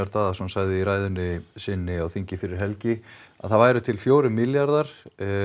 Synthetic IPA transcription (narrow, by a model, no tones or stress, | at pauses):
aɾt̪aːðasunsaɣðɪiɾaːjðʏnːɪsɪnːɪawθiɲcɪfɪɾɪɾ̥ɦɛlcɪa̰ðθaðvaːjɾʏt̪ʰɪlfjoːwɾʏmɪljaɾðaɾ̥